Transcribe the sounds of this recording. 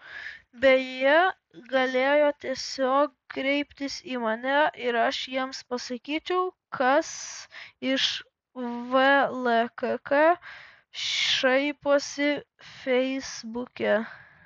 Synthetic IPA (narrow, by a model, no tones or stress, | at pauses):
bʲɛjiɛ | ɡɐlʲeːjoːt̪ʲiɛsʲoːk̚ | kɾʲɛɪpʲt̪ʲɪsiːmɐnʲɛʔɪɾɐʃjiɛmspɐsɐkʲiːt͡ʃʲɛʊ | kʰɐs | ɪʃ | ʋɛlˠɛkkɐ | ʃɐɪpoːsʲɪ | fʲɛɪzbʊkʲɛ